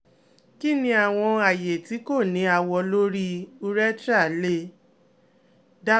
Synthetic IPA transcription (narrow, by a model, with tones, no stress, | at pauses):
ki˦˨nĩ˧a˨w̃ɔ̃˧a˨je˨ti˨˦ko˦˨nĩ˨˦a˦˧wɔ˧lo˦ɾi˦u˦ɾɛ˦tɾa˦˨le˦ | da˦